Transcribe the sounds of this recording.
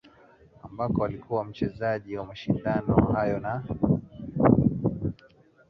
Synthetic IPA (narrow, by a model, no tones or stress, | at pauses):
ambakɔalikʰuwam̩t͡ʃɛzaʄiwamaʃindanɔhajɔna